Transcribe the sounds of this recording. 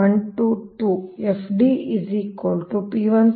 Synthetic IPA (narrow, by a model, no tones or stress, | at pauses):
ɐɳʈuʈuefɖiizikolʈupiːʋɐn